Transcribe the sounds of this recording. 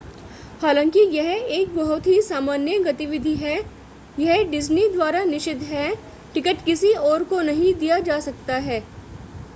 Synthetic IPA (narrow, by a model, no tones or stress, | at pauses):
haːlãːŋkijɛɦeːk̚bɐɦʊt̪ɦisaːmaːnjəɡɐt̪ɪʋɪd̪ʱiɦɛ | jɐɦɖɪznid̪ʋwaːɾanɪʃɪd̪ʱɦɛ | ʈɪkəʈkɪsiɔːɾkonɐɦĩd̪ijad͡ʒaːsɐk̚t̪aɦɛː